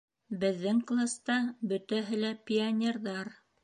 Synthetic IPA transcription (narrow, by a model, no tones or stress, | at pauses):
bɘ̆ðːɘŋklˠast̪ɑbɵ̆t̪æɦɘlæpʲɪanʲerðɑɾ